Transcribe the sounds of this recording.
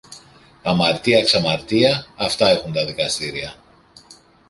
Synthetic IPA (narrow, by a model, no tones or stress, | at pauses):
ɐmɐɾt̪iɐksɐmɐɾt̪iɐːft̪ɐe̞xunt̪ɐðikɐst̪iɾiɐ